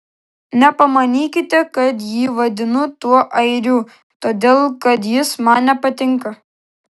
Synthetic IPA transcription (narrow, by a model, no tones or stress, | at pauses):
nʲɛpɐmɐnʲiːkʲɪt̪ʲɛkɐt̪jiːʋɐd̪ʲɪnʊt̪uɔʔɐɪɾʲuː | t̪oːd̪ʲeːlˠkɐt̪jɪsmɑːnnʲɛpɐt̪ʲɪŋˑkɐ